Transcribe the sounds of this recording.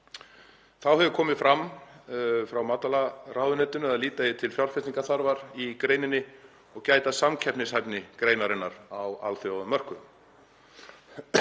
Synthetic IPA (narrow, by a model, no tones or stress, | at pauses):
θawhɛvʏkʰɔːmɪðfɾam | fɾawmaːt̪alaraːwðʏnɛt̪ʏnʏaðliːt̪ajɪt̪ʰɪlfjar̥fɪst̪iŋkaθaɾvaɾikɾeːjnɪnːɪ | ɔɣcaːjt̪asamcʰɛpnɪsajpnɪkɾeːjnaɾɪnːaɾawa̰lθjawðʏmːœr̥kʏ